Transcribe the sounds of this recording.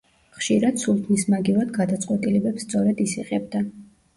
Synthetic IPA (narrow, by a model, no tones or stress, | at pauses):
χʃiɾad̪̥sulˠt̪ʰmismaɡivad̪ɡad̪at̪sʼqʼwɛt̪ʼilɛbɛpsːt̪sʼɔɾɛd̪isiʁɛb̚d̪a